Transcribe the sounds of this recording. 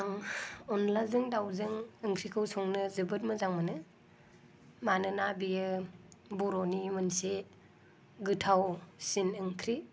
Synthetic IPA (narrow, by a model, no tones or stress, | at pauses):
aŋɔnlazɯŋdawzɯŋɯŋkʰɾikʰɯwsɔŋnɯzɯbɯt̚mɯzaŋmanɯ | manɯnabijɯbɔɾɔnimɯnse | ɡɯtʰawsinɯŋkʰɾi